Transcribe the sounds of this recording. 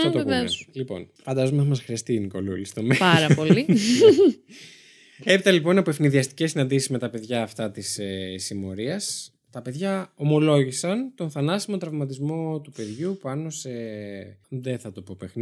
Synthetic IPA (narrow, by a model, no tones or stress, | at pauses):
ɐt̪opeslipo̞̰n | fɐnd̪ɐzomeθɐmɐsxɾiɐst̪iniko̞lulist̪omeɐɾɐpoli | e̞pit̪ɐlipo̞nɐpoefniðiɐst̪i̥cesinɐnd̪isizme̞t̪ɐpe̞ðʝɐːft̪ɐt̪isesimo̞ɾiɐs | t̪ɐpe̞ðʝɐo̞mo̞lo̞ʝisɐnt̪o̞nθɐnɐsimo̞t̪ɾɐvmɐt̪izmo̞t̪upe̞ðʝupɐno̞se | ðeθɐt̪o̞po̞pexni